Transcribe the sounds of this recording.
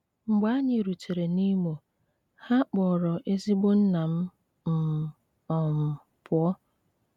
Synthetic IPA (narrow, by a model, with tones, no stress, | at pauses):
ŋ͡m̩˨ɡ͡ba˦ɲɪ˨ɾu˨t͡ʃe˨ɾe˨ni˦mo˨ | ha˦k͡pɔ˨ɾɔ˨ʔe˦zi˦ɡ͡bo˦n̩˦na˨m̩˦ | m̩˨ | ɔ˨m̩˨ | pʰʊ˨ɔ˦